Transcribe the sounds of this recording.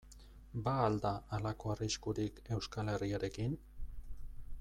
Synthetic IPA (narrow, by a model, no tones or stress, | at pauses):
baːld̪aalako̞ariskuɾike̞wskale̞riaɾe̞kin